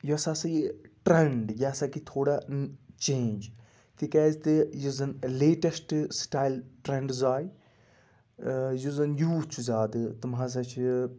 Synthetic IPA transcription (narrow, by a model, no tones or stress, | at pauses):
juɐsaːsɐjiʈɾeɳɖjaːsakit̪ʰoːɽat͡ʃẽːnd͡ʒ | t̪ikɛːzt̪ɨjuzɐnleːʈɐsʈsʈaːjlʈɾeɳɖzaːj | juzɐnjuːt͡ʃʰuzaːd̪ɨt̪umɦãːs̬ɐt͡ʃʰi